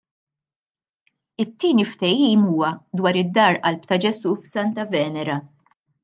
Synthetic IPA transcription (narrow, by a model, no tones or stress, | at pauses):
ɪt̪ːiːnift̪ɛjiːmuːwɐd̪wɐːɾɪd̪ːɐːɾɐlp̚t̪ɐd͡ʒɛsuːfsɐnt̪ɐvɛːnɛɾɐ